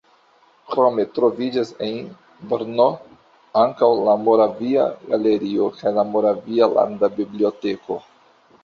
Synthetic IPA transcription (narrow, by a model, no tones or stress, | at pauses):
kɾo̞me̞tɾo̞vid͡ʒasen | bɾno | aŋkawlamo̞ɾavia̰ɡale̞ɾio̞kajlamo̞ɾaviala̰ndabiblio̞te̞kʰo̞